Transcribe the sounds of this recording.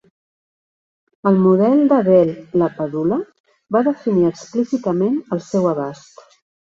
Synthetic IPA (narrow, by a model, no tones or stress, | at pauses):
əlˠmuðɛlˠd̪əβɛlləpəðulə | baðəfiniəksplisit̪əmenəlˠsɛwəβast̪